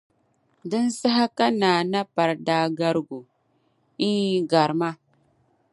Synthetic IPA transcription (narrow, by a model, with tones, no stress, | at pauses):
da˦nsa˦ɦa˦ka˦na˨na˦pa˨ɾda˦ɡa˦ɾɡu˨ | i˦ɡa˨ɾma˦